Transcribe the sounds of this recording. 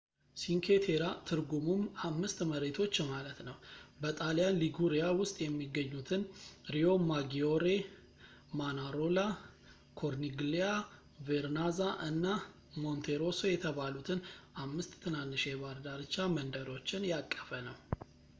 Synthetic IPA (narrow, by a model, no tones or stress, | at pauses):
siŋkʰet̪ʰe̞ɾat̪ʰɨɾɡumumamːɨst̪məɾet̪ʰo̞t͡ʃːmalət̪nəwbət̪ʼalijanliɡuɾijawʊst̪ʼjɛmːiɡəɲːut̪ʰɨnɾio̞maɡio̞ɾe̞ | manaɾo̞la | kʰo̞ɾniɡlia | veɾnazaʔɨnːa | mo̞nt̪ʰeɾo̞sojɛt̪ʰəβalut̪ʰɨnʔamːɨst̪ːʰɨnanːɨʃeβaɾd̪aɾɨt͡ʃːamənd̪əɾo̞t͡ʃːɪnjakʼːə̥fənəw